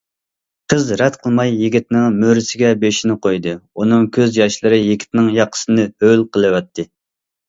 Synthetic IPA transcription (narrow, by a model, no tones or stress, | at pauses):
qʰəzɾɛt̪qʰəlˠmɑjːiɡʲit̪nɨŋmøɾɪsɪɡʲɛbeʃinɪqʰojd̪ɨunɨŋkʲʰøzjɑʃlˠɨɾɨjɪkʲʰi̥t̪nɪŋjɑqʰːə̥sɨnɨhølˠqʰəlˠɨwɛt̪ʰːɨ